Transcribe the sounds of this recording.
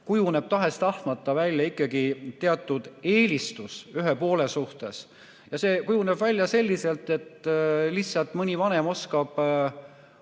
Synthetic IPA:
kujune̞b̥̚t̪ɑɦe̞st̪ɑht̪mɑt̪ˑːɑvælʲjɑikˑːɑɡit̪e̞ɑt̪ˑːud̪̥e̞ːlʲist̪usyɦepo̞ːle̞suht̪e̞s | jɑse̞ːkujune̞b̥vælʲjɑse̞lʲːise̞lt̪e̞t̪ːˑlihsːɑlt̪ˑmɯnʲivɑne̞mo̞skɑb̥

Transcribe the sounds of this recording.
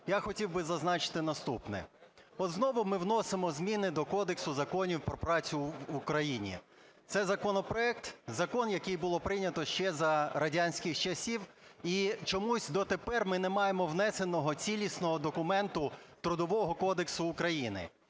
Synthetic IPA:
jaxɔtʲiwbɪzɐznɑt͡ʃɪ̥t̪ɪnɐst̪upnɛ̰ | ɔznɔʋʊmɪwnɔsemɔzmʲinɪd̪ɔkɔd̪eksʊzɐkɔnʲiwpɾɔpɾɑt͡sʲʊʋukɾɐjinʲḭ | t̪sɛzɐkɔnɔpɾɔɛkt̪zɐkɔnjɐkɪjbʊlˠɔpɾɪnʲɐt̪ɔʃt͡ʃɛzɐɾɐdʲanʲsʲkɪxt͡ʃɐsʲiw | it͡ʃɔmusʲd̪ɔt̪epɛrmɪnɛmɑjemɔwnɛsenɔɦɔt͡sʲilʲisnɔɦɔd̪ɔkʊmɛnt̪ʊt̪ɾʊd̪ɔʋɔɦɔkɔd̪eksʊːkɾɐjinɪ̰

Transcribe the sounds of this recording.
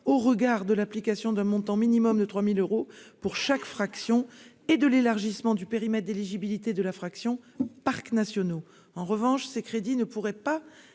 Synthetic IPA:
oʁəɡaʁd̪əlaplikasjɔ̃d̪ɛ̃mɔ̃t̪ɑ̃minimɔmd̪ət̪χwamiløʁopuʁʃakfχaksjɔ̃ | ed̪əlelaʁʒismɑ̃d̪ypeʁimɛt̪̚d̪eleʒibilit̪ed̪əlafχaksjɔ̃paʁknasjɔno | ɑ̃ʁəvɑ̃ʃsekχed̪inəpuʁɛpa

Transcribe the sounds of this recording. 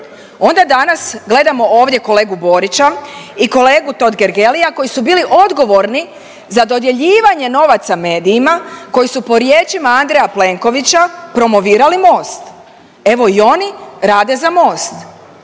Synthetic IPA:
o̞nd̪ad̪anasɡle̞d̪amo̞ʔo̞ːʋd̪je̞ko̞le̞ːɡubo̞ɾit͡ɕaiko̞le̞ːɡut̪o̞d̪ɡe̞ɾɡe̞lijako̞jisubiːliʔo̞d̪ɡo̞ʋo̞ɾni | zad̪o̞d̪je̞ʎiːʋaɲe̞no̞ʋat̪same̞ːd̪iːmako̞jisupo̞ɾje̞ːt͡ʃimaand̪ɾejaple̞ŋko̞ʋit͡ɕapɾo̞mo̞ʋiːɾalimo̞ːst̪ | e̞ʋo̞io̞niɾaːd̪e̞zamo̞ːst̪

